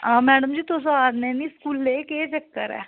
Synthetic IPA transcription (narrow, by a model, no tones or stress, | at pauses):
ãːmɛːɖəmd͡ʒiːt̪oːs̬ãaːd̪neːniskuːlːeːket͡ʃekːə̰ɾɛ̰ː